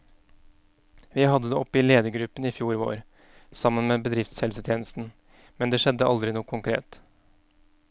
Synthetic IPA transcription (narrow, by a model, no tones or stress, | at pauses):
ʋɪːhɑd̪ːəd̪eːɔpːɪleːd̪əɡɾʉpəniːfjuːɾʋo̰ːɾ | sɑmːənmeːbəd̪ɾɪft̪shɛlsət̪ʰjeːnəst̪n̩ | mɛnd̪eːʃɛd̪ːəʔɑld̪ɾɪnuːəkʰʊŋkʰɾḛːt̪